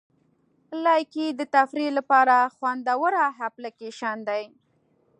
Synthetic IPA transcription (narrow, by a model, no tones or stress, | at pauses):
lɑjkid̪ət̪afɾilapɑɾaxwand̪awəɾaɦaplakeʃɑnd̪aj